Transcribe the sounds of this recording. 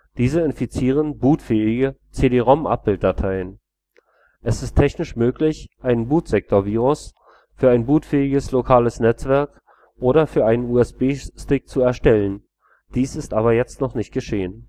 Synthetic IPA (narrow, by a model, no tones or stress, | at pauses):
d̥iːzəɪnfit͡siːʁ̞ənbuːtfɛːɪɡət͡seːdeːʁɔmʔa̰p̚b̥ɪlt̚d̥atʰaɪən | ʔɛsɪstʰːɛçnɪʃmøːklɪçʔaɪnənbuːtz̥ɛk̚tʰoːɐviːʁ̞ʊs | fyːɐaɪnbuːtfɛːɪɡəslokʰaːləsnɛt͡sv̥ɛɐk | ʔoːɾɐfyːɐʔaɪnənuːɛsb̥eːstɪk̚t͡suɛɐʃtɛlən | d̥iːsɪstʔaːβɐjɛt͡stnɔχnɪçt̚ɡ̥əʃeːən